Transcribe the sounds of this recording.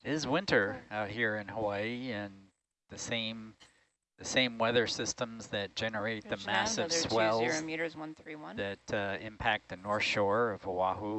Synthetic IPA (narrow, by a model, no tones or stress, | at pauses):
ɪzwɪ̃ntʰə˞aʊt̚hiɹɨ̃nhəweɪɨ̃n | ðɨsẽɪ̃m | ðɨsẽɪ̃mwɛðə˞sɪstə̃mzðɨt̚d̥ʒ̥ɛnə˞eɪt̪̚ðɨmæsɨv̥swɛlˠmjiɾə˞zwʌ̃nθɹiwʌ̃nðɨtɪ̃mpʰæk̪̚ðɨnɔɹθʃɔɹʌv̥əwɑhu